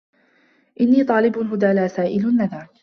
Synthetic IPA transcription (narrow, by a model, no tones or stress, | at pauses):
ʔɪnːiːt̪ˤɑːlɪbʊɦʊd̪aːlaːsaːʔɪlʊnːaðaɾ